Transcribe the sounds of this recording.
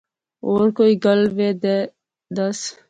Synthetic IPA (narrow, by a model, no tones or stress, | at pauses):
oːɾkoːiːɡəlʋeːd̪e | d̪əs